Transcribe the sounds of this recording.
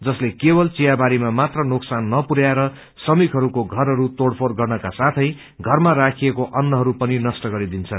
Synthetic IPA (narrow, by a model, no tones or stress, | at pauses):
d͡zʌslekebʌlt͡sijabaɾimamat̪rʌnoksanːʌpuɾjaɾʌ | sʌmikʰɦʌɾukoɡʱʌɾɦʌɾut̪oɽpʰorɡʌrnʌkasat̪ʰʌj | ɡʱʌrmaɾakʰiekoʔʌnːʌɦʌɾupʌninʌsʈʌɡʌɾid̪int͡sʰʌn